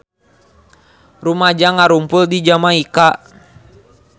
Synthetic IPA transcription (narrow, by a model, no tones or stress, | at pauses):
rumad͡ʒaŋaɾumpʊldid͡ʒamaika